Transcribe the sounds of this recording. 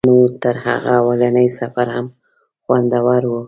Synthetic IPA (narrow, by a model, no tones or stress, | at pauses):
mut̪əɾha̰ɣaːwalanəjsafaɾham | xwand̪awaɾwu